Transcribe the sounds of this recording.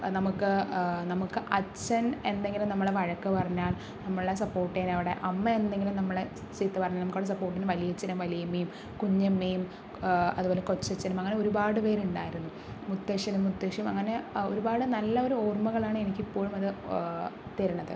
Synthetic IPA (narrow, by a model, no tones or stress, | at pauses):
nɐmukːɨnɐmukːɨʔɐt͡ɕːɐne̞nd̪e̞ŋɡilumnɐmːɐɭeʋɐɻɐkːɨpɐrɐɲːaːɭ | nɐmːɐɭes̬ɐpːo̞ːrʈːijnɐʋiɽe̞ʔɐmːɐend̪e̞ŋɡilumnɐmːɐɭe | sit̪ːɨpɐrɐɲːalnɐmkːoːɽes̬ɐpːo̞ːrʈːinɨʋɐlijɐt͡ɕːɐnumʋɐlijɐmːejum | kuɲːɐmːejum | ɐ̰ðubo̞ːle̞ko̞t͡ɕːɐt͡ɕːɐnumɐŋːɐneo̞ɾubaːɽɨpe̞ːɾuɳɖaːjiɾunːu | mut̪ːeːʂjɐnumːut̪ːeːkʂjɐmɐ̰ŋːɐne̞o̞̰ɾubaːɽɨnɐlːɐo̞ɾuo̞ːrmuɣɐɭaːɳɨe̞nikʲːipːo̞ːɻumɐðɨ | t̪eɾɐɳɐðḛ